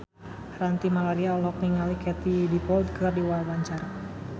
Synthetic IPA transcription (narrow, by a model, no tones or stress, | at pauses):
rant̪imalaɾiaɔlɔk̚niŋalikɛt̪idipɔld̪̚kərdiwalwaɲt͡ʃaɾa